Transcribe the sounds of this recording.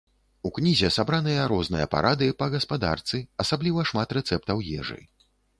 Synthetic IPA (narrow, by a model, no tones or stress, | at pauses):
uknʲizʲɛsabɾanɨjɐɾɔznɨjɐ̰pa̰ɾʔad̪ɨipɐɣɐspad̪a̰rt̪sɨɐsablʲivɐʂmat̪rɛt̪sɛp̚t̪ɐwjɛ̰ʐɨ̰j